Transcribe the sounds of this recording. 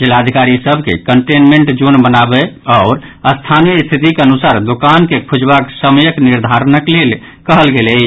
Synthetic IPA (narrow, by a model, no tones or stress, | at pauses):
d͡ʒelaəd̪ʱikaɾisəbʱkḛkəɳʈenmeɳʈd͡ʒunbənabeaʊɾ | əst̪ʰanijəist̪ʰit̪ikeənusaɾd̪okankekʰud͡ʒbaksəməjəkniɾd̪ʱaɾnəklel | kəɦəlɡelɛ